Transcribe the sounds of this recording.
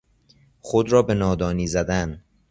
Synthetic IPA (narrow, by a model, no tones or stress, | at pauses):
xod̪ɾɒːbe̞nɒːd̪ɒːniːzæd̪æn